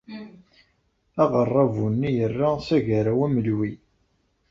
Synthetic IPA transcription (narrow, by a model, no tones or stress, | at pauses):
æʁərˤːɑvunːijərːasæʝaɾawæməlwi